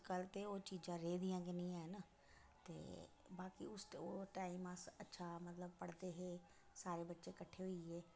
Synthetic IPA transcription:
kəlt̪eot͡ʃiːd͡ʒãɾeːd̪ijãːkʰenĩaːɦɪnə | t̪ḛː | baːkiʊsoʈaːɪmãɐtːʃʰamɐt̪ləb̚pɐɽt̪eɦeː | saːɾebɐtːʃekɐʈʰeɦʊiɦeː

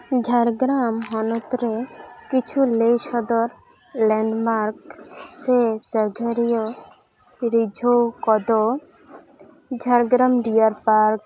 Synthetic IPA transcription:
d͡ʑʱaɾɡɾamɦɔnot̪ɾekit͡ɕʰuleʃɔd̪oɾ | lɛɳɖmaɾkseseɡʱaɾijo | ɾid͡ʑʱokɔd̪o | d͡ʑʱaɾɡɾamɖiaɾpaɾk̚

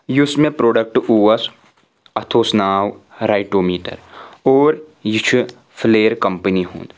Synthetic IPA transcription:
jusmẽpɾoːɖək̚ʈuːəs | ɐt̪ʰoːsnaːwɾaːɪʈoːmiːʈə̰ɾoːɾjɪt͡ʃʰu | pʰleːəɾkɐmpəniɦṵ̃ːnd̪

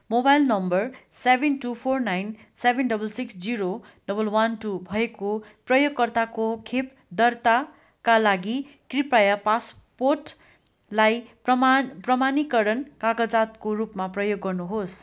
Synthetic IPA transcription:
mobajlnʌmbʌrsebʱenʈupʰornajn | sebʱenɖʌbʌlsiksd͡ziɾo | ɖʌbʌlwanʈubʱʌekoprʌjoɡkʌrt̪akokʰep̚ | d̪ʌrt̪a | kalaɡi | kripajapas | porʈ | laj | prʌmanikʌɾʌnkaɡʌd͡zat̪korupmaprʌjoɡːʌrnuɦos

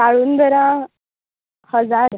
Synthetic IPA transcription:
kaɭuːnd̪ʱəɾã | həd͡zaɾ

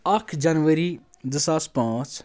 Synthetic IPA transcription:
ɐkʰd͡ʒɐnʋəɾi | d̪əsaːspãːt͡ʃ

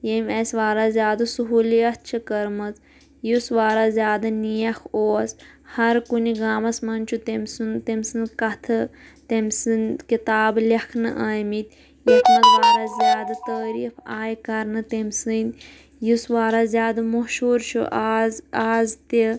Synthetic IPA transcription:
jemʲesʋaːɾazʲjaːd̪ɐsuɦuːliɐt̪̚ʰt͡ʃʰɨkɐɾmɐt͡s | jusʋaːɾaːzʲjaːd̪anijɐxoːshɐɾkuniɡaːmɐsmɐnt͡ʃʰut̪emʲsunt̪emʲsɨnkɐt̪ʰɨt̪emʲsɨnkit̪aːblɐkʰnɨ̰ʔaːjmit̪ʲ | jit̪ʰmɐzʋaːɾazʲjaːd̪at̪əːɾiːfaːjkɐɾnɨt̪emʲsɨnd̪ʲ | jusʋaːɾazʲjaːd̪amɐɦʃuːɾʃʰṵʔazaːzt̪i

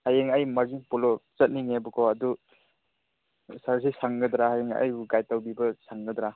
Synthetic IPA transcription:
hajeŋajmaɾziŋpulɔt͡ʃɐt̚niŋebɔkʰɔɐdu | saɾs̬isaŋɡɐd̪ɾahajeŋa̰jɡajtawbibɐsaŋɡɐd̪ɾa

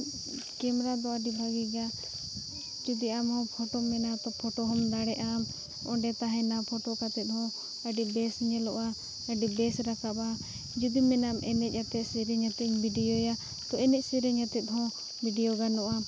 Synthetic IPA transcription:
kɛmɾad̪ɔaɖibʱaɡiɡa | d͡ʒud̪iamhɔ̃pʰɔʈɔmɛnat̪ɔpʰɔʈɔɦɔmd̪aɽɛʔam | ɔɖɛt̪aɦɛ̃napʰɔʈɔkat̪ɛt̪̚hɔ̃ | aɖibɛsɲɛlɔʔa | əɖibɛsɾakaba | d͡ʒud̪imɛnamɛnɛc̚ˀat̪ɛt̪siɾɛɲat̪ɛɲbʱiɖijɔja | t̪ɔɛnɛc̚siɾɛɲat̪ɛt̪̚ɦɔ̃ | biɖijɔɡanɔʔa

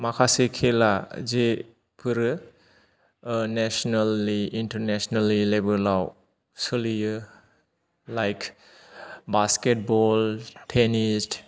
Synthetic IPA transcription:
makʰasekʰelaze | pʰɯɾɯ | nesɔnalːiintəɾnesɔnalilebəlaw | sɯlijɯ | lajkʰ | basket̚bɔltʰenist

